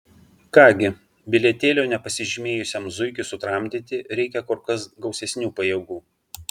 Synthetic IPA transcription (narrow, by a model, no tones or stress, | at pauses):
kɑːɡʲɪ | bʲɪlʲɛt̪ʲeːlʲoːnʲɛpɐsʲɪʒʲɪmʲeːjʊsʲɛmzʊɪkʲʊsʊt̪ɾɑːˑmʲd̪ʲɪt̪ʲɪɾʲɛɪkʲɛkɔɾkɐsɡɒʊsʲɛsʲnʲuːpɐjɛɡuː